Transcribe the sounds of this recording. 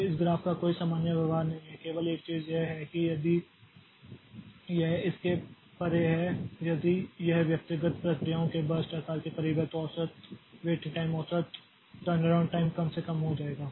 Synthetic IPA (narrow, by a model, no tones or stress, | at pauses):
ɪsɡɾaːfkakoːisaːmaːnjaʋjɐʋɦaːɾnɐɦĩɦɛkeːʋəleːk̚t͡ʃiːzjeɦɛkijɐd̪i | jeɦɪske | pɐɾeɦɛjɐd̪ijɐɦʋjɐk̚t̪ɪɡət̪pɾɐkɾijaõkebəɾsʈɐɾkaːlkekɐɾiːbət̪ɔːsət̪ʋeːʈɪ̃ʈaːɪmɔːsət̪ | ʈəɾnɐɾãːʊɳɖ̚ʈaːɪmkɐmsekɐmɦod͡ʒaːeːɡaː